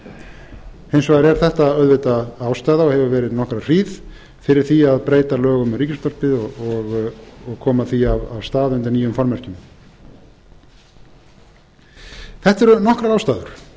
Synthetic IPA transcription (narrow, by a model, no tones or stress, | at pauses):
hejnsvɔɣaɾɛɾ̥θɛht̪aœðvɪt̪aaːwst̪aːjðaɔhɛvʏvɛːɾɪðnɔhkɾar̥iːð | fɪɾɪɾ̥θiaðpɾeːjt̪alœːɣʏmriːcɪst̪ɔr̥pɪðɔɔɣɔɣkʰɔːmaθiavavst̪aːðʏnt̪ɪniːjʏmfɔɾmɛr̥cʏm | θɛht̪ɛɾʏnɔhkɾaaːwst̪aːðʏɾ̥